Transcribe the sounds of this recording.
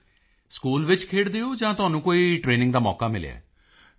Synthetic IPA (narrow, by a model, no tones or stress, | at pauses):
skuːlʋɪt͡ʃkʰeːɽd̪eːoːd͡ʒãːt̪ʊaːnũːkoːiːʈɾeːnɪ̃ŋɡd̪aːmɔ̰ːkaːmɪlja̰ː